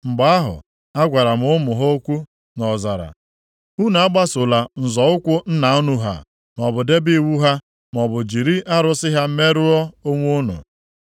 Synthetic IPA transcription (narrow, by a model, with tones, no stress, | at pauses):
ŋ͡m̩˨ɡ͡ba˦a˦ɦʊ̰˨ | a˦ɡʷa˨ɾa˨m̩˨˦ʊ˦mʊ˨ɦo˦kʷu˦ | nɔ˨za˨ɾa̰˨ | u˦n˨˦a˦ɡ͡ba˦sʊ˨la˨n̩˨zɔ˨ʊ˦kʷʊ˦n̩˦na˨˦u˦nu˦ɦa̰˨ | m˨ɔ˨bʊ˨de˦bi˦wu˦ɦa˦ | m˨ɔ˨bʊ˨d͡ʒi˨ɾi˦ʔa˦ɾʊ˦sɪ˦ɦa˦me˦ɾʊ˦ɔ˦o˦ŋʷu˦nʊ̰˨